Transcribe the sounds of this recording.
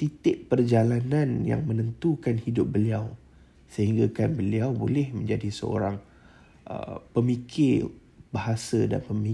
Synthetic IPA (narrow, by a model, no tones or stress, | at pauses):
t̪it̪ɪʔ̚pərd͡ʒalanãnja̰ŋmə̃nənt̪ukanhidʊp̚bəliaw | səɦiŋɡakanbəliawbolɛhmə̃ɲd͡ʒadisə̰o̰ɾaŋ | ʔə̰pəmikʰɪ | baɦasada̰npəmi